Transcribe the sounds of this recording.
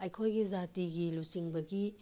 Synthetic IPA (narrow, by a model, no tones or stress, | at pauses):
ɐjkʰojɡizatiɡilusiŋbɐɡi